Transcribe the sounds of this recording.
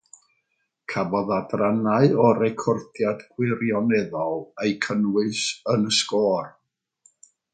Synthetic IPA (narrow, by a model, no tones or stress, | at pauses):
kʰabɔðadranaɨɔɾɛkʰɔrdjadɡwɪrjɔnɛðɔlˠejkʰənwɨsənəskɔːr